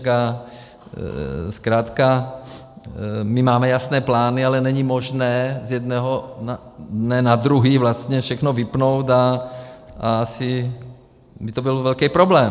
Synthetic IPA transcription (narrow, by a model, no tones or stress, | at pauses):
ka | skɾaːt̪ka | mimaːmɛjasnɛːplaːnialɛnɛɲimoʒnɛːzjɛd̪nɛɦonadnɛːnad̪ɾuɦiːvlast̪ɲɛfʃɛxnovɪpnowt̪a | ʔaasɪ | bɪt̪obilvɛlkɛːpɾoblɛːm